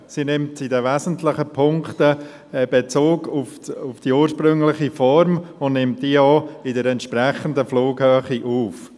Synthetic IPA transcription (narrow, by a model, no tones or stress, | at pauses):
sinɪmtidɛʋɛzən̩tʰlɪχəpʰʊŋktə | b̥et͡soːɡufufd̥iuːəɾʃpɾʏŋlɪχifɔɾmʊndnɪmt̚diɔːɪdəɾɛntʃprɛχəndəfloːɡhœːχiʔuːf